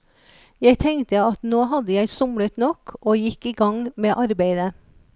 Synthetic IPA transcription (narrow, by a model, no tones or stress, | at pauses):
jæɪt̪ʰɛŋt̪əɑt̪noːhɑd̪əjæɪsʊmɽət̪nɔkʰʔoːjɪkiːɡɑŋmeːʔɑɾbæɪd̪ə